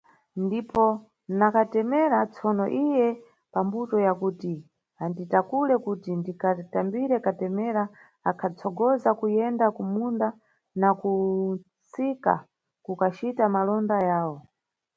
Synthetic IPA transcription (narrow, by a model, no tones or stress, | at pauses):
ndipɔ | nakatɛmɛɾat͡sʰɔnɔ̰ʔijɛ | pambutɔjakuti | anditakulɛkutindikatambiɾɛkatɛmɛɾa | akʰat͡sʰɔɡɔzakujɛndakumunda | nakut͡sika̰ | kukat͡ʃitamalɔndajaːwɔ